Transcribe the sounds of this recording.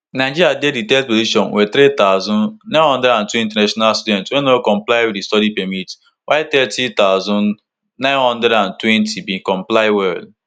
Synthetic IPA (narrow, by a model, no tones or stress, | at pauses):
naɪ̃d͡ʒiɾjadeditɛtpoziʃɔ̃nwʔɛt̪ɾit̪aʊzɔ̃nnãɪ̃nhɔ̃ndɾɛɾãntuĩnt̬ɛnaʃɔnalstudɛ̃ntwɛnokɔ̃mplaɪwidistɔɾipɛmit | wʔaɪt̪ɛtit̪aʊzɔ̃n | nãɪ̃nhɔ̃ndɛdãntwɛ̃ntʰibikɔ̃mplaɪwɛld